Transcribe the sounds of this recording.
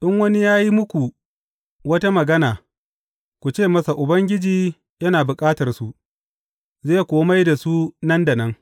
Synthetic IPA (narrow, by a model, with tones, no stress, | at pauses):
ɗɪ˦ŋwɐ˦ni˦jaː˦ji˦mʊ˦kʷu˨ | wɐ˦ta˦mɐ˨ɡɐ˦naː˨ | kʷu˨t͡ʃeː˦˨mɐ˦sa˨ʔʊ˨bɐ˦ŋɡʲɪ˦d͡ʒiː˨ | jɐ˦naː˨bʊ˨kʼaː˦tɐ˨rsu˨ʔ | zeː˦˨kʷoː˦ma˦jda˨su˦nɐ˦ndɐ˨nɐ˦ŋ